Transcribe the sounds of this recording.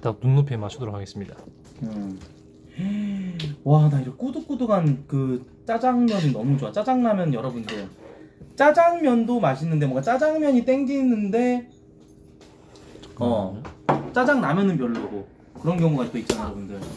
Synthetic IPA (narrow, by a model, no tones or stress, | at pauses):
tanunːopʰemaɕʰidoɾokʰaɡe̞s͈ɯmɲida | ɯ | wadaiɾʌk͈oduk͈oduɡankɯ | t͡ɕ͈ad͡ʑaŋmjʌniːʌmud͡ʑowat͡ɕ͈ad͡ʑaŋnamjʌnjʌɾʌbundɯɭ | t͡ɕ͈ad͡ʑaŋmjʌndomaɕʰinːɯndemwʌŋɡat͡ɕ͈ad͡ʑaŋmjʌɲit͈eŋɡinːɯnde̞ | ʌ | t͡ɕ͈ad͡ʑaŋnamjʌnɯnpjʌɭːoɡo | kɯɾʌnkjʌŋuɡaik͈oit̚t͡ɕ͈anjʌɾʌbundɯɭ